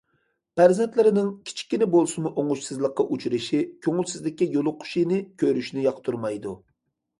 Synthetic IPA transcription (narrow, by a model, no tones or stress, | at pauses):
pæɾzɛnt̪lɪɾɪnɪŋkʲʰi̥t͡ʃʰi̥kʲːinɪbolˠsɨmuʔoŋʊʃsɨzlˠəqːɑʔut͡ʃʰuɾɪʃikʲʰøŋylsɪzlɪkʲːijolˠʊqʰːʊ̥ʃinɪkʲʰøɾyʃnɪjɑqt̪ʰuɾmɑjd̪u